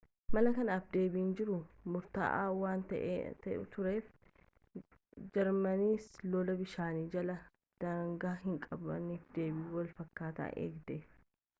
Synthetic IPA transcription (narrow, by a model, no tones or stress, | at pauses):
mɐlɐkɐnaːfd̪e̞ːbiːnd͡ʒɪɾʊmʊɾt̪a̰ːʔa̰ːwaːnt̪ɐ̰ʔt̪ɐʔʊ̰t̪ʊɾe̞ːf | d͡ʒɛɾmɐniːslɔːlɐbɪʃaːniːd͡ʒɐlɐ | d̪̥aːŋɡaːɦɪŋkʼɐbɐ̰niːfd̪eːbɪwɐlfɐkːaːt̪a̰ːʔḛːɡd̪eːf